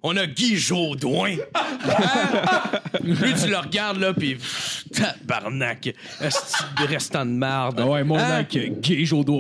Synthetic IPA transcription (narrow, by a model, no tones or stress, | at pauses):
ɔ̃nəɡʲiʒod̪wɛ̃ | pit̪ylːəʁɡʲaʁd̪lʌpit̪ʰaba̰ʁnak | ɛ̃st͡sid̪əʁɛst̪ɑ̃d̪maʁd̪wɛmɔ̃nɛkɡʲiʒod̪wɛ̃